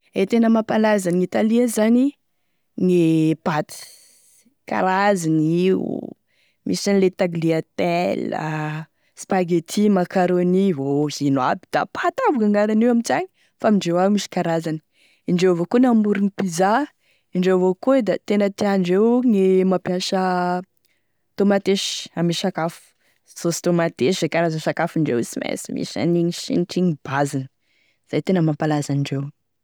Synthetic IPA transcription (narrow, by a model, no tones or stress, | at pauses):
et̪enəmapalazaniŋit̪aliəzani | ŋepat̪i̥ | ka̰ɾazaniṵ | mʔḭsanilet̪aɡliat̪elə̰ | spaɡet̪ʰimakaɾonivozinabi̥d̪̥a̰pʰat̪avukaŋaɾanewamit͡saɲi̥ | famiɳɖ͡ʐewamisi̥kaɾazani̥ | iɳɖ͡ʐewvokunambuɾinipiza | iɳɖ͡ʐewvokued̪at̪enət̪iaɳɖ͡ʐewŋemapjaʃə | t̪omat̪eʃamiʃakafu̥ | z̥ost̪omat̪eʃzekaɾazəʃakafiɳɖ͡ʐḛwsimḛsimḭʃa̰niɲiʃḭnʈ͡ʂiŋib̥azinə | iz̥ajt̪enəmampalazaniɳɖ͡ʐew